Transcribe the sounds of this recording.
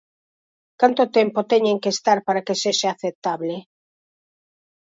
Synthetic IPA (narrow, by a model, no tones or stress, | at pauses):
kant̪ot̪ɛmpot̪ɛɲẽŋkeːst̪aɾpaɾakeseʃaaθep̚t̪aβle